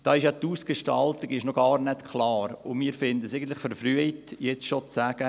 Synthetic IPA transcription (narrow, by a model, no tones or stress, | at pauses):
d̥ɑːɪʃjɑt̪uːsɡ̥eʃtɑltɪɡɪʃnoɡ̥ɑːɾnɛt̪kχlɑːɾʊmiːɾfɪnd̪əseɪɡən̩t̪lɪχfɔɾfryəitjɛt͡sʃot͡sæɡ̥ə